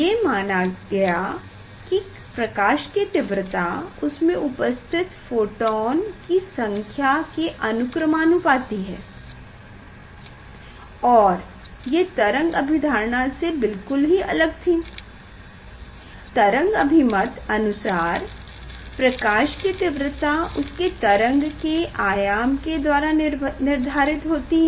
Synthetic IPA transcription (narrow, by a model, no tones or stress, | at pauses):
jemaːnaɡɐja | ki | pɾɐkaːʃket̪ɪʋɾət̪aʊsmẽʔʊpəst̪ʰɪt̪foːʈɔːnkisɐ̃ŋkʰjakeʔɐnʊkɾəmaːnupaːt̪iɦɛː | ɔːɾ | jet̪ɐɾə̃ŋɡɐbʱɪd̪ʱaːɾɳasebɪlkʊlɦiɐ̰ləɡ̚t̪ʰĩː | t̪ɐɾə̃ŋɡɐbʱɪmət̪ɐnʊsaːɾ | pɾɐkaːʃkit̪ɪʋɾət̪aʊsket̪ɐɾə̃ŋɡkeʔaːjaːmked̪waːɾanɪɾd̪ʱaːɾɪt̪ɦoːt̪iɦɛ